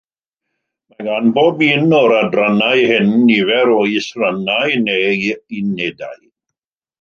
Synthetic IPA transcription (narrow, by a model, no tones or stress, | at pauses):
maɡanboːbinɔɾadranajhɪnːivɛɾɔjsranajneineda̰j